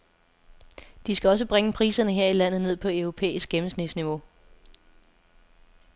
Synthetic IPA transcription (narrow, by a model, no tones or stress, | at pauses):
d̥isɡ̥æɒ̽səb̥ʁeŋəpʰʁḭːsɐnəɦe̝ɐ̰ilæn̰ð̩ˠne̝ð̞̰ˠpʰɒ̽œʊʁo̝pʰḛːisɡ̥ɡ̥em̩snid̥sniʋo̝